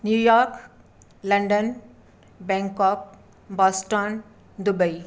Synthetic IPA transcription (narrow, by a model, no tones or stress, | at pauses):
njujɔɾk | lɐɳɖən | bɛ̃ŋkɔk̚ | bɔsʈɔn | d̪ubəi